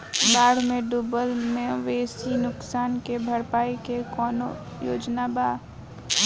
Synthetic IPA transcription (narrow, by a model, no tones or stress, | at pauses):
baːɽ̤mẽɖubəlmẽʋeːsinʊksaːnkebʱɐɾpaːikekɔːno | jo̰ːd͡ʒnabaː